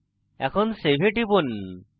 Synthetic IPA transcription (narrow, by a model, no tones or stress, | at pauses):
ɛkʰɔnsebʱeʈibon